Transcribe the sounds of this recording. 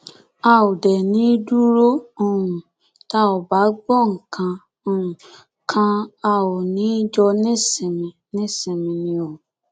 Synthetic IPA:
a˦˨o˨dɛ˨nĩ˨˦du˦ɾo˦o˦ũ˨ | ta˦ɔ˨ba˨˦ɡ͡bɔ˦˨ŋ̩˨kʰã˧ | o˧ũ˨ | kʰã˧a˧wo˨nĩ˨˦d͡ʒɔ˧nĩ˦sɛ˨mĩ˨nĩ˦sɛ˨mĩ˨nĩ˧o˨

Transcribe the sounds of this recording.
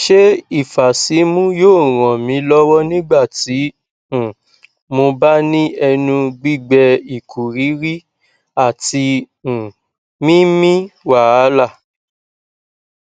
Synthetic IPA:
ʃe˦i˦˨fa˨si˨˦mũ˦joː˦˨ɾ̃ɔ̃˨mĩ˨˦lɔ˦wɔ˦nĩ˦ɡ͡ba˦˨ti˨˦ | ũ˨ | mo˧ba˦nĩ˦ɛ˧nũ˧ɡ͡bi˦˨ɡ͡bɛ˧i˨kʰu˨ɾi˨˦ɾi˦ | a˦˨ti˧ | ũ˨ | mĩ˦mĩ˦wa˨a˦la˦˨

